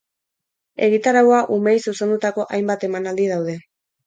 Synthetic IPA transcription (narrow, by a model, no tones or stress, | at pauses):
e̞ɣ̞it̪aɾawaʔumejsuse̞nd̪ut̪ako̞ʔajmbat̪e̞manald̪ið̞awð̞e̞